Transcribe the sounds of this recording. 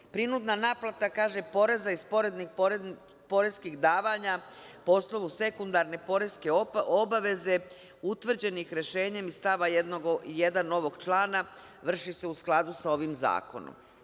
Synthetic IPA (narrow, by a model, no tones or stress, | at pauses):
pɾinud̪nanaːplˠat̪akaːʒe̞po̞ɾe̞zaispo̞ɾe̞d̪nix | po̞ɾe̞skiɣd̪aːʋaːɲapoosno̞ʋuse̞kund̪aɾne̞po̞ɾe̞ske̞obaʋe̞ze̞ | ut̪ʋr̩d͡ʑe̞nixɾeʃe̞ːɲe̞mist̪aʋaed̪noɡije̞d̪ano̞ʋo̞ɡt͡ʃlaːna | ʋr̩ʃise̞usklˠad̪usao̞ːʋimza̰ːko̞̰no̰m